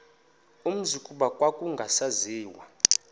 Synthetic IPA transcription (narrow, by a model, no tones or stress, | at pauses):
um̩zukʼuɓakʼwakʼuŋɡʱasaziːwa